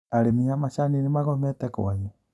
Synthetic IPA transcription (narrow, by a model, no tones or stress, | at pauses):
aɾemiamaʃaninemaɣɔmɛtɛkɔ̰aɲɛ